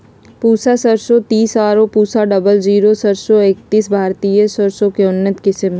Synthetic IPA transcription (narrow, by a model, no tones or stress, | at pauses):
puːsasəɾsot̪iːsaːɾopuːsaɖɐbəld͡ʒiːɾosəɾsoeːk̚t̪iːsbʱaːɾt̪ijəsəɾsõkeʊnːət̪kɪsəmɦ